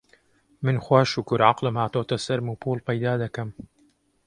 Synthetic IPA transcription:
mɨnxwaːʃukʊɾʕɑ̰qlɨmhaːt̪oːt̪ɐsɐɾmupʰuːlpɐjd̪aːd̪ɐkɐm

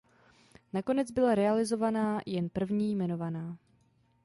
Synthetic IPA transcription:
nako̞nɛd͡zbɪlaɾɛalɪzo̞vanaːjɛnpr̩vɲiːjmɛno̞vanaː

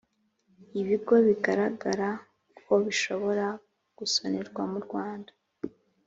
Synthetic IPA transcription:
iβiɡo̞βiɡaɾaɡaɾa | kʰo̞βiʃo̞βo̞ɾa | ɡ̥usoneɾɡwamuɾɡwaːndḁ

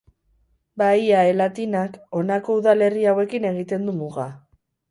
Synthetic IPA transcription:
bajaelat̪inako̞nako̞uðale̞riawe̞kine̞ɣit̪e̞nd̪umuɣa

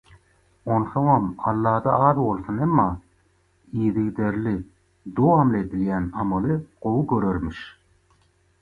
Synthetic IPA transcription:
o̞nθoŋɑmɑlˠːɑːd̪ɑɑːðbo̞lˠθunemːɑː | iːðiɣd̪eɾli | d̪owɑmled̪iljænɑmɑlˠɯqo̞wuɡøɾøɾmiʃ

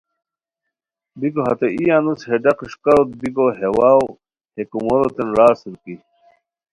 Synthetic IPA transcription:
biɡoɦɐt̪eijanusheɖɐqʂkɐɾot̪̚biɡoɦewaːw | hekumoɾot̪enɾaːsuɾki

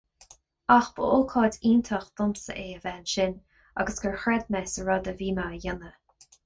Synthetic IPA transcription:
axb̥əʊlkʰɔːdiːnt̪ʰəxd̪̥ʊmsə̰ʔeːəvɛːnʃɪn | a̰ɡəsɡ̥əɹxɹɛd̪mɛsəɹɔd̪əviːmajanə

